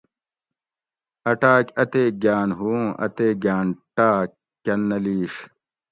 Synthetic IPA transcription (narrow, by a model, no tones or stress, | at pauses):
ɐʈaːkʲɐt̪eːɡaːnɦuːɐ̰t̪eːɡaːnʈaːk | kːɐnːɐliːɕ